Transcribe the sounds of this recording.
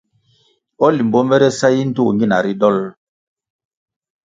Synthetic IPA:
ɔ˦li˨m˨bɔ˦mbɛ˦ɾɛ˦sa˦ji˦n̩˦tu˦˨ŋɡi˦na˨ɾi˦dɔ˦l

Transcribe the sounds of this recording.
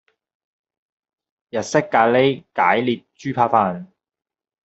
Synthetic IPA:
jɐ˨t̚sɪ˥kːaː˧le˥jkaː˨˥jliː˨t̚t͡ʃyː˥pʰaː˧faː˧n

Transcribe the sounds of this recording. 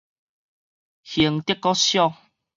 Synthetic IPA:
hi˨˩əŋt̪ə˦kːɔ˦ɕjɔ˦˧

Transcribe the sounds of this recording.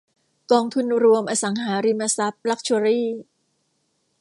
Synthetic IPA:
kɔː˧ŋt̪ʰu˧nɾu˧əmʔaː˧sa˩˦ŋɦaː˩˦ɾiː˧ma˧sa˦˥p̚la˦˥k̚t͡ɕʰu˧ɾiː˥˩

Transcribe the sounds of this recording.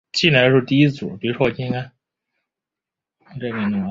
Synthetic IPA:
t͡ɕi˥˩na˧˥˧ʂ̩˥˧t̪i˥˧i˥t͡sṵ˨˩pi˨˩ɻu˧˥ʂwɔ˥˧i˥˩ŋka˥˩˧ | ʈ͡ʂkə˧˩nu˧˩˧

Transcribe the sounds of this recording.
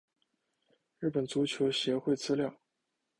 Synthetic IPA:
ɻɻ̩˥˩pə˨˩nt͡su˧˥t͡ɕʰjo˧˥ʊɕjɛ˧˥xwe˥˩ɪt͡sɹ̩˥ljɑ˥˩ʊ

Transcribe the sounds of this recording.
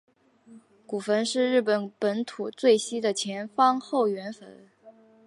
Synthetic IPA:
ku˨˩fə˧˥nʂɻ̩˥˧ɻɻ̩˥˩pə˨˩npə˧˥nt̪ʰu˨˩t͡swe˥˩ɪɕi˥d̪ə˨t͡ɕʰjɛ˧˥nfɑ˥ŋxo˥˩ʊɥɛ˧˥nfə̰˧˥n

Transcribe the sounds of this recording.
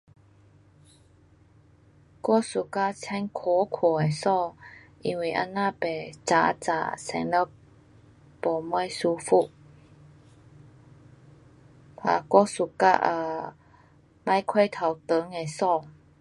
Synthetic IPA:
kɔ˥˨su˨ka˥˨t͡sʰɛ˧˥ŋkʰo˨˦kʰo˨˩e˨˩jsɔ˥˨ʔi˧˥ŋwi˧˩˨ʔa̰˧˥nːa˥˨pɛ˨˩t͡sa˨˧˦t͡sa̰˧˩sɛ̰˧˥˦ŋla˧˥˩ | pɔ˨˩mɔ˧˥˨jsu˧fu˧˩˨ʔ | pʰa̰˨˩kɔ˥˨su˧˨ka̰˧˥ʔə˧˩ | ma˧˥jkʰwe˥˧jt̪ʰa˨˩wt̪ə˨˦ŋe˨˩jsɔ˥˧˨

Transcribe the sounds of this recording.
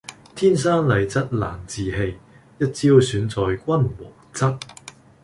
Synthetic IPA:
t̪ʰiː˥ns̬aː˥nlɐ˨jt͡sɐ˥t̚la̰ː˨˩nt͡siː˨he˧j | jɐ˥t̚t͡siː˥wsyː˨˥nt͡sɔː˨jkʷɐ˥nwɔ̰ː˨˩ŋt͡sɐ˥t̚

